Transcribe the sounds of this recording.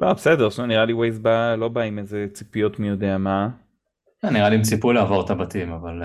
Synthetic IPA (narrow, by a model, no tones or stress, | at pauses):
labsedeʁsmaniʁaliwejzbalo̞baimezet͡sipijo̞t̪mijo̞d̪eama | kɛnːiʁaliimt͡sipulaːvo̞ʁt̪abat̪imaval